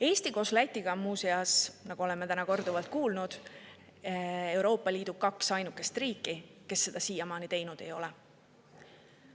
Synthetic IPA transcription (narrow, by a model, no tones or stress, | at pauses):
e̞ːst̪iko̞slæt̪ʲːˑiɡ̥ɑmuːseɑsnɑɡ̥uo̞lɛmːe̞t̪ænɑko̞rd̪uvɑlt̪̚kuːlnud̪̥ | e̞wɾo̞ːpːˑɑliːd̪̥ukɑksɑjnukːˑe̞st̪riːkːˑike̞sːe̞d̪̥ɑsiːjɑmɑːnit̪e̞jnud̪̥e̞̰jo̞lɛ